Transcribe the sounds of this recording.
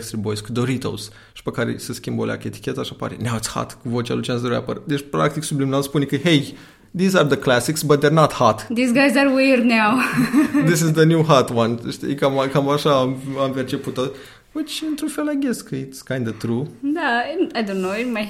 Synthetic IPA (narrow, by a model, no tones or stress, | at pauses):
kst̪ɾibojskud̪oɾit̪o̰s | ʃi̥pekaɾḛseskʲimbolea̰kəet̪i̥kʲet̪aʃapa̰ɾḛnawt̪sha̰t̪kuvot͡ʃja̰lut͡ʃansd̪əɾa̰pə̰rd̪et͡ʃpɾa̰k̚t̪iksublimnaspunekɨhej | ðizaɾðəklæsiksbɐt̪̚d̪ernɔt̪hat̪d̪isɡajzaɾweɾneawd̪ɪs̬ɪzd̪ənʲjuɦat̪wãnʃt̪ḭkamakamaʃaːmampert͡ʃe̞put̪ːo | ət͡ʃɨnt̪ɾunfelajɡʲeskʰəit̪skãj̃nd̪ət̪ɾud̪aaɪjd̪õnːoemaj